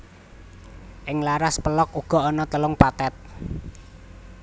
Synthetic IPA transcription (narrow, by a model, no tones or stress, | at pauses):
ʔɪŋlaɾaspəlɔkuɡ̥ɔ̤ɔnɔt̪əlʊŋpat̪ɛt̪̚